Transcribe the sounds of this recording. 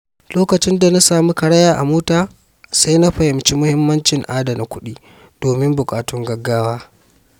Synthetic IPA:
loː˦kɐ˨t͡ʃɪ˦nda˨na˦saː˨mu˦kɐ˨ɽɐ˦jaː˦˨ʔa̰˨moː˦taː˨ | sa˦na˦ɸɐ˨hɪ˨mt͡ʃi˦mʊ˦hɪ˦mːɐ˦nt͡ʃɪ˨ŋʔaː˦da˨na˨kʷʊ˦ɗiː˦ | d̥oː˨mɪ˦mbʊ˨kʼaː˨tʊ˦ŋɡɐ˦ɡːaː˦waː˦

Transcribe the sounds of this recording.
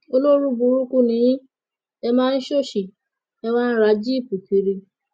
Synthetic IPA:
o˦lo˦ɾu˦bu˨˧˦ɾu˦ku˦nĩ˨˦jĩ˦ | ɛ˧mãː˦n̩˦ʃo˦˨ʃi˨ | ɛ˧wã˦n̩˦ɾa˨˦d͡ʒi˦˨pu˨ki˨ɾi˧

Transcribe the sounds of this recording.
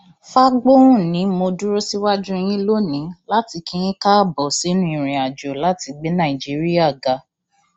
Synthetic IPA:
fa˦ɡ͡bo˦ũ˦nĩ˨˦mo˧du˦ɾo˦si˦wa˦d͡ʒũ˦e˧j̃ĩ˦lo˦nĩ˨˦la˦ti˧kĩ˦j̃ĩ˦ka˦˨bɔ˨si˨˦nũ˦i˨ɾ̃ĩ˨a˨d͡ʒo˨la˨˦ti˧ɡ͡be˨˦nã˦˨i˨d͡ʒi˦ɾi˦a˦˨ɡa˨˦

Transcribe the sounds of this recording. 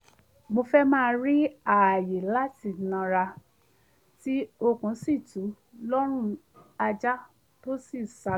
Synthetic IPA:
mo˧fɛ˦mãː˦˧ɾi˦a˨je˨la˦ti˦˨nã˧ɾa˧ | ti˦o˧kũ˨˦si˦˨tu˨˦ | lɔ˦ɾ̃ũ˦˨ | a˧d͡ʒa˦ | to˦si˦˨sa˧

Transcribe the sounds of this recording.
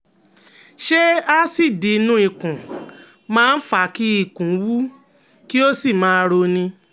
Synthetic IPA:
ʃe˦a˦si˦˨di˨˦nũ˦i˧kũ˨ | mãː˦n̩˦fa˧˨ki˦i˦˧˨kũ˨˦wu˦ | ki˦o˦si˦˨mãː˦˧ɾo˧nĩ˧

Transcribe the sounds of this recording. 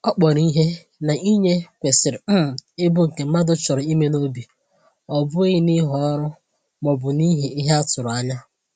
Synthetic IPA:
ɔ˦k͡pɔ˨ɾi˦ɦe˦ | na˨ʔi˦ɲe˦kʷe˨sɪ˨ɾɪ˨˦˨ɪ˦bʊ˦ŋ̩˨ke˨m̩˦ma˦dʊ˦t͡ʃʊ˨ɾʊ˨i˦me˦no˦bi˨ | ɔ˨bʊ˦e˦ɪ˦ni˦ɦɔ˦ɾʊ˦ | mɔ˨bʊ˨ni˦ɦe˨i˦ɦe˦a˦tʊ˨ɾʊ˨a˦ɲa˦

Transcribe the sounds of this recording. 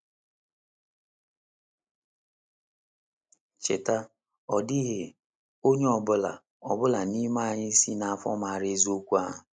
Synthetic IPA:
t͡ʃe˨ta˦ | ɔ˨di˦ɦe˨ | o˦ɲe˦ɔ˨bʊ˦la̰˨ | ɔ˨bʊ˦la˨ni˦ma˦a˨ɲɪ˦i˦si˦na˨a˨fɔ̰˦ma˨ɾe˦zo˦kʷu˦a̰˦˨ɦʊ˨

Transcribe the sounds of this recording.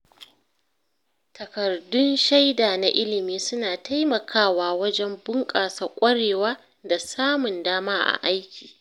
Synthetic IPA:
tɐ˨kɐ˨rdʊ˦nʃa˦jdaː˨na˨ʔɪ˦lɪ˨miː˦sʊ˦naː˨tʰa˦jmɐ˨kʰaː˦waː˦wɐ˦d͡ʒɛ˦mbʊ˦ŋkʼaː˨sa˨kʷʼɐ˦ɽeː˨waː˦ | da˨saː˦mʊ˨ndaː˦maː˦ʔa̰˨ʔa˦jkʲi̥ː˨

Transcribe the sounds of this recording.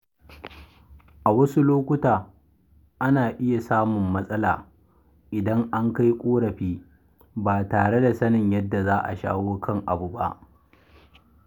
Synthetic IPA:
ʔa˨wɐ˦su˦loː˦kʷʊ˦taː˨ | ʔa˦naː˨ʔɪ˦ja˨saː˦mʊ˨mːɐ˦sʼɐ˦laː˨ | ʔɪ˨dɐ˦ŋʔa˦ŋka˦jkʷʼoː˦ɽɐ˨ɸiː˦ | baː˨taː˨ɽe˦da˨sɐ˦nɪ˨ɲjɐ˦dːa˨zaː˦ʔa̰˨ʃa̰ː˦woː˦kʰɐ˦ŋʔa˨bu˨ba̰˦ʔ

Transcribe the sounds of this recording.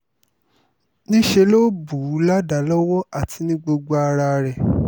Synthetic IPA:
nĩ˦ʃe˧lo˦bu˨˦la˦da˨˦lɔ˦wɔ˦a˨tʰi˧˦nĩ˦ɡ͡bo˧ɡ͡ba˦˧a˧ɾa˧ɾɛ˨

